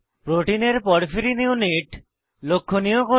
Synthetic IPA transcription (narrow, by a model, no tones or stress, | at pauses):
pɾoʈineɾpɔɽfiɾiniuniʈ | lokʰːonijoɡo